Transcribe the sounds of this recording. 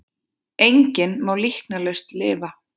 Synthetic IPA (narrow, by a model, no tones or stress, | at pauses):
ejɲcɪnmaːwlihknalest̪lɪːva